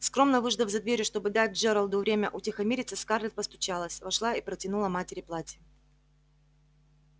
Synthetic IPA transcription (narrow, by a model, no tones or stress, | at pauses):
skɾo̞mnəvɨʐd̪əvzɐd̪vʲeɾʲjʊʂt̪o̞bɨd̪at̚ʲʐɛɾəlˠd̪ʊvɾʲemʲəʔʊtʲɪxɐmʲeɾʲɪt̪səskarlʲɪt̪̚pəst̪ʊ̥t͡ɕalˠəsʲvɐʂlˠaipɾətʲɪnulˠəmatʲɪɾʲɪplˠatʲɪ